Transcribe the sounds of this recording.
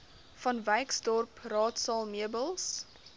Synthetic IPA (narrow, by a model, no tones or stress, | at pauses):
fɐnvɛjksdɔrprɑːtsɑːlˠmiəbəlˠs